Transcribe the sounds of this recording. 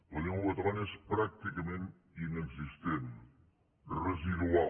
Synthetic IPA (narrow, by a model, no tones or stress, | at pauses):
əlʲeŋlot̪ʁɑnespɾak̚t̪ikəmẽnt̪ | ineɡzist̪en | rəziðwa